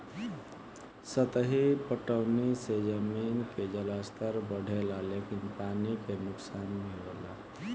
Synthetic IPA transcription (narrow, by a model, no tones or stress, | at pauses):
sət̪əɦipəʈəʊnised͡ʒəminked͡ʒəlast̪ʰəɾbəɽ̤ʱelalekinpanikenuksanmiɾela̰